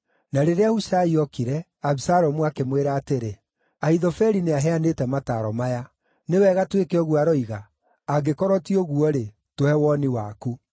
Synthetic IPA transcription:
naɾeɾeahuʃaiɔkiɾɛ | aβisaɾɔmuakemweɾaːteɾe | aiðɔfɛɾineaɦɛanetɛmataːɾɔmaja | newɛɣatwekeɔɣuaɾɔiɣaː | ɡekɔɾɔtiɔɣuɔɾe | tohɛwɔniwaku

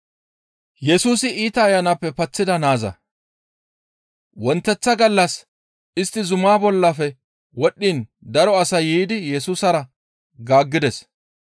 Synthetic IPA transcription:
jɛsuːsɪʔiːt̪ɐːjːɐnɐpːɛpɐt͡sːɪd̪ɐnaːzɐ̰ | wɔnt̪ːɛt͡sːɐɡɐlːɐs | ɪst̪ːɪzʊmaːbɔlːɐfɛ | wɔɗːin | d̪ɐɾɔɐsɐjiːd̪ɪjɛsuːsɐɾɐ | ɡaːɡːɪd̪ɛs

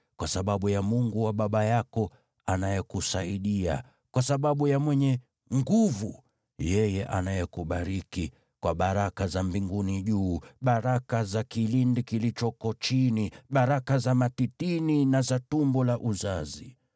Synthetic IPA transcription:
kwasaɓaɓujamuŋɡuwaɓaɓajakɔ | anajɛkusaiɗia̰ | kwasaɓaɓujamwɛɲɛ | ŋɡuvu | jɛjɛʔa̰najɛkuɓaɾiki | kwaɓaɾakazambiŋɡuniʄuːɓaɾakazakilindikilit͡ʃɔkɔt͡ʃiniɓaɾakazamatitininazatumbɔlaʔuzazi

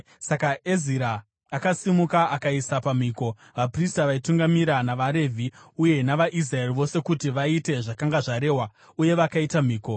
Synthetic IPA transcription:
sakaeziɾaː | kasimukaʔakaisapam̤iːko̞ | ʋapristaʋaituŋɡamiɾanaʋaɾe̞vʱiuje̞naʋaʔizraeriʋo̞se̞kutiʋaite̞ʐakaŋɡaʐaɾe̞ːwa | uje̞ʋakaitam̤iːko̞

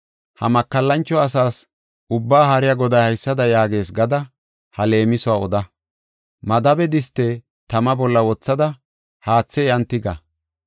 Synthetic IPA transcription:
hɐ̰mɐkːɐlːɐnt͡ʃːɔɐs̬aːs | ʊbːaːhɐɾɪjɐɡɔd̪ɐjhɐjsːɐd̪ɐjaːɡe̞ːsɡɐd̪ɐ | hɐle̞ːmɪsɔwaːɔd̪ɐ | mɐd̪ɐbɛd̪ɪst̪ːɛ | t̪ɐmɐbɔlːɐwɔt͡sːɐd̪ɐ | haːt͡sːɛjɐnt̪ːɪɡɐ̰

